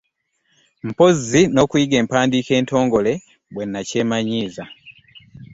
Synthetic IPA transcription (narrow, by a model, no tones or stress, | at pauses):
m̩po̞zino̞ːkujiɡe̞ːmpaːndiːke̞ːnto̞ːŋɡo̞le̞ | βwe̞nːace̞ːmaɲiːza